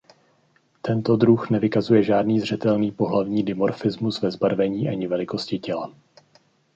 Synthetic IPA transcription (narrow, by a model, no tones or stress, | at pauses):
t̪ɛnt̪o̞dɾuxnɛvɪkazujɛʒaːdniːzr̝ɛt̪ɛlniːpo̞ɦlavɲiːdɪmo̞ɾfɪzmusvɛzbaɾvɛɲiːʔaɲɪvɛlɪko̞scɪcɛla